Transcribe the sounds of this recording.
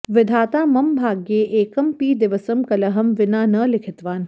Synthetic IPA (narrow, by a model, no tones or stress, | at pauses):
ʋɪd̪ʱaːt̪aːmɐmbʱaːɡjeːʔeːkɐmpiːd̪ɪʋəsəmkɐlɐɦɐmʋɪnaːnɐlɪkʰɪt̪ʋaːn